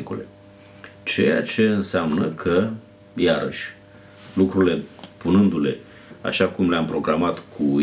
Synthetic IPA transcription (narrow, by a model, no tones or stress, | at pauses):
kulḛ | t͡ʃe̞ja̰t͡ʃe̞ɨnseamnəkʰə | jaɾə̰ʃʲ | lukɾuɾile̞punɨnd̪ule̞ | a̰ʃakumleampɾo̞ɡɾamat̪kʰu